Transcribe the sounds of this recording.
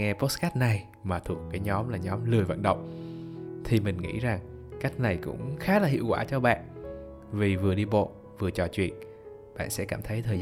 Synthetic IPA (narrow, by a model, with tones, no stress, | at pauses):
ŋɛ˧po˦˥ska˦˥t̚na˨˩j | maː˨˩t̪ʰu˨˩əkːaː˨˦jɲɔ˨˦mlaː˨˩ɲɔ˨˦mlɨ˨˩əjvə̰˧˨nɗə̰˧˨wŋ͡m | t̪ʰi˨˩mï˨˩ŋ̟ŋḭ˧˥za˨˩ŋka˦˥k̟̚na˨˩jkʊ̰˧˥ŋ͡mxaː˨˦laː˨˩hḭ˧˨wkwaː˧˩t͡ɕɔ˧ɓa̰ː˧˨n | vi˨˩vɨ˨˩əɗi˧ɓo̰˧˨ | vɨ˨˩ət͡ɕɔ˨˩t͡ɕwḭ˧˨ən | ɓa̰ː˧˨nsɛ̰˧˥kaː˧˩mt̪ʰə˨˦jt̪ʰəː˨˩˧